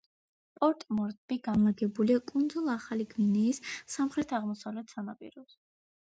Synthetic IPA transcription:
pʼɔɾt̪ʼmɔɾt̪ʼb̥iɡanlˠaɡɛbuliakʼund̪zulˠaχaliɡminɛːsːamχɾɛt̪ʰaʁmɔsavlɛt̪ʰsanapʼḭɾɔs

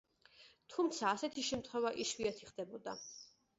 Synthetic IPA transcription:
t̪ʰumt̪sʰaːsɛt̪ʰiʃɛmt̪ʰχwɛvaʔiʃwiat̪ʰiχd̪ɛbɔd̪a

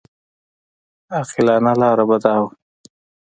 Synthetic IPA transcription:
ɑqɪlɑnalɑːɾabad̪ɑːwa

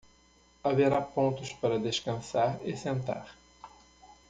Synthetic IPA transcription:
aveɾapõnt̪ʊspaɾɐd̪eʃkɐ̃saɾɪsẽnt̪a̰ɾ

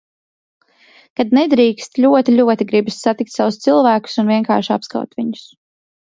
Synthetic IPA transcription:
kad̪nɛd̪ɾiːkst̪ʎʲuɔt̪ilʲuɔt̪iɡɾibissat̪ik̚t̪ʲsawʊst̪silˠvæːku̥sunviɛŋka̰ːɾʃapska̰wt̪viɲʊ̥s

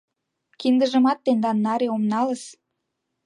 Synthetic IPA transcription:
kind̪əʒə̆mɑt̪ːend̪ɑnːɑɾeomnɑləʃ

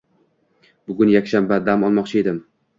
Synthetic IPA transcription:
bʊɡʊnjakʲʃambad̪amɒlˠmɒqt͡ʃʰɪe̞d̪ɪm

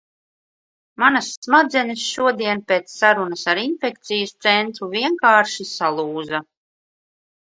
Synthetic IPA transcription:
manasːmad̪zɛnɨsʃuɔd̪iɛnpeːt̪sːaɾunɐsaɾinfek̚t̪sijst̪sɛnt̪ɾuviɛŋkaːɾʃisalˠuːza

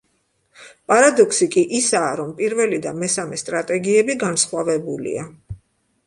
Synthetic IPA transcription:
pʼaɾad̪ɔkʰsikʼiʔisaːɾɔmpʼiɾvɛlid̪amɛsamɛst̪ʼɾat̪ʼɛɡiɛbiɡansχwavɛbulḭa

